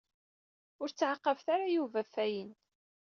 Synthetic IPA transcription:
ʊɾt͡sːʕaqːəvθaɾajuvæfæjən

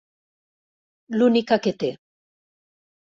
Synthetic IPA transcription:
lunikaket̪e

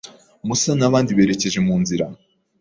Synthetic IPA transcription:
musanaβaːndiβe̞ːɾe̞ce̞ʒe̞muːnziɾa

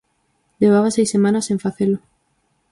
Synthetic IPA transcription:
d̪eβaβasejsemãnɐseɱfaθelʊ

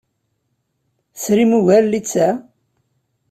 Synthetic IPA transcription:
sɾimuʝælːit͡sːæ

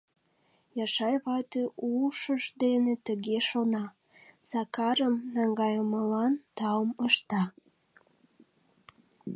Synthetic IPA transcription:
jɑʃɑjβɑt̪eʔuʃəʒd̪enet̪əɣeʃonɑ | z̥ɑkɑɾəmnɑŋɡɑjəməlɑnt̪ɑməʃt̪ɑ

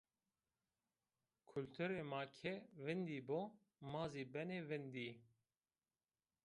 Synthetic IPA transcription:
kʰult̪ʰuɾeːmɑːkʰeːvɪnd̪iːboː | maːziːbɛneːvɪnd̪iː

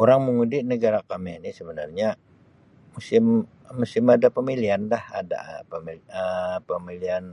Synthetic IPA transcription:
oɾaŋməŋudɪʔnəɡaɾakamanisəbənarɲa | musɪmː | usɪmadapəmiliandahada̰pəmiəpəmilian

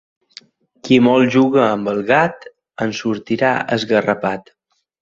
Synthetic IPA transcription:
kimɔlˠʒuɣəːmbəlˠɣat̪ | ənsuɾt̪iɾa̰ə̰zɣərəpat̪

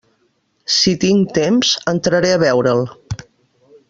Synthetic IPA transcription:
sit̪iŋt̪emzənt̪ɾəɾeəβɛwɾəlˠ

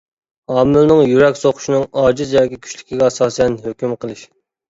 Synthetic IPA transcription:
ɑːmɪlnɨŋjyɾɛkʲsoqʰʊ̥ʃinɨŋɑːd͡ʒizjɑːkʲikʲʰy̥ʃlɪkʲiɡʲɛɑsɑːsɨjɛnɦøkʲymqʰəlˠɨʃ

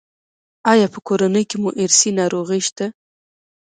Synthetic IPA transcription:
ɑjɑpəkoɾanəjkemuʔɪɾsinɑɾoɣəjʃt̪a

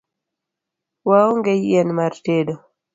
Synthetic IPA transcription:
wawɔŋɡɛjiɛnmaɾtedɔ

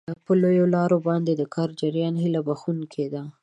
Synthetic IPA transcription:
pəlojolɑɾobɑnd̪ed̪əkʰɑɾd͡ʒaɾjɑnɦilabaxunkʰed̪a

